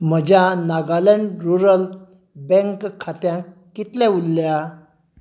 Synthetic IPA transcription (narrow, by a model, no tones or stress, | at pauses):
m̤əd͡ʑanaɡalɛ̃ɳɖɾuɾəl | bɛ̃ŋkkʰːat̪jãkːit̪lɛ̃ulːja